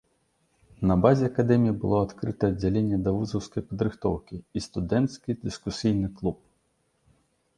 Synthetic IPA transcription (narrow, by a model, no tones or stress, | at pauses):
nɐbazʲɛɐkad̪ɛmʲijibɨlˠɔat̪kɾɨt̪ɐːd͡zʲːalʲenʲːɛd̪ɐvuzɐwskɐjpɐd̪ɾɨxt̪ɔwkʲiist̪ud̪ɛnt̪skʲid̪ɨskusʲijnɨklˠup̚